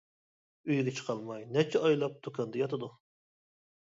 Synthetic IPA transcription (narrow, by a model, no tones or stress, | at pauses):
yjɡʲɛt͡ʃʰə̥qʰɑlˠmɑjnɛt͡ʃʰɛɑjlˠɑp̚d̪̥okʰɑnd̪ɑjɑt̪ɨd̪u